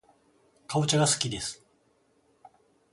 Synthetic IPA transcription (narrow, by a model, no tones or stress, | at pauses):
kʰaot͡ɕaɡasɨ̥kʲid̪e̞sɨ̥